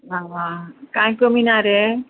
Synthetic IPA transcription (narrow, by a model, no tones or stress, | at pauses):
ʋaʋakãj̃kominaɾe